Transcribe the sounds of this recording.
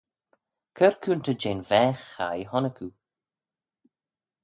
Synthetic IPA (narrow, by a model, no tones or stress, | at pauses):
kʰəɾkʰuːnt̪ʰəd͡ʒeːnvɛːxːa̰jɦɔnəkʰu